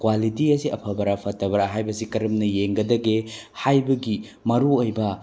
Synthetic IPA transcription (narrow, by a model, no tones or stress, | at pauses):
kwalitiɐsiʔɐpʰɐbɐɾapʰɐtːɐbɐɾaɦajbɐsikɐɾɐmnɐjeŋɡɐdɐɡehajbɐɡi | mɐɾuojbɐ